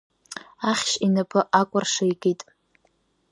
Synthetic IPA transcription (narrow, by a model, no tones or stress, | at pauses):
aχʲʃinapʰɨʔakʷʼʊrʂejɡʼitʼ